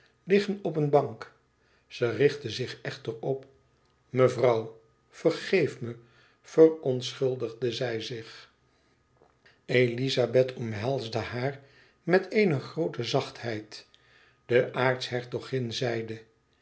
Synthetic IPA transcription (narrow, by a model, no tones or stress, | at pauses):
lɪχənɔpənbɑŋk | z̥ərɪχtəzɪχɛχtəɹɔp | məvrɑw | fərχejfmə | fəɹɔnsχɵlˠdəʁdəzɛjzɪχ | ejlizabɛtʰɔmɦɛlˠzdəhaːɹ | mɛtejnəχrowtəzɑχthɛjt | d̥əʔaːɹtsɦɛɹtɔχɪnzɛjdə